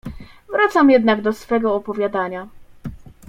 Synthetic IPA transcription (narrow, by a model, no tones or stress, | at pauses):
vɾat̪samjɛd̪naɡd̪ɔsfɛɡɔːpɔvʲjad̪aɲa